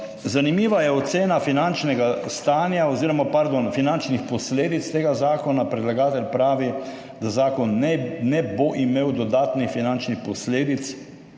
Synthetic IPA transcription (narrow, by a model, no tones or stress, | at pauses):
zanimiːʋajɛot̪seːnafinant͡ʃnɛɡast̪aːnjaoziːɾɔmapaɾd̪onfinant͡ʃnixpɔsleːd̪it̪st̪eːɡazaːkɔnapɾɛd̪laɡaːt̪ɛlʲpɾaːʋi | d̪azaːkɔnnɛboʔimeːwd̪ɔd̪aːt̪nixfinant͡ʃnixpɔsleːd̪it̪s